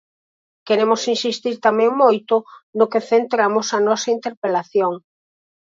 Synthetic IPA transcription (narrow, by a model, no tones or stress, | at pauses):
keɾemosinsist̪iɾt̪amɛ̃ŋmojt̪ʊnokeθent̪ɾamʊsɐnɔsɐint̪eɾpelaθjoŋ